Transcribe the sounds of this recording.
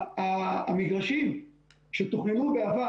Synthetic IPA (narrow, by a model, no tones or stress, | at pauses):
aamiɡʁaʃim | ʃet̪uχnemubeava